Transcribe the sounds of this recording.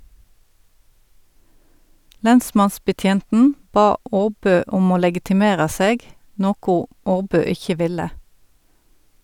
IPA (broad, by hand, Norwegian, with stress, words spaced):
ˈlɛnˌsmɑnsbəˌtjeːntn̩ ˈbɑː ˈoːˌbøː ˈʊm ˈoː lɛɡɪtɪˈmeːʁɑ ˈseːɡ ˈnoːkʊ ˈʔoːˌbøː ˈɪçə ˈʋɪlə